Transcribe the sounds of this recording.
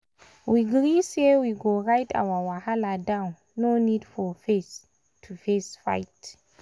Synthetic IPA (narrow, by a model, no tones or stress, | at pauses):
wiɡɹisewiɡoɹajtʰa̰wawahaladãw̃nːonidfɔfes | tʰufesfa̰jt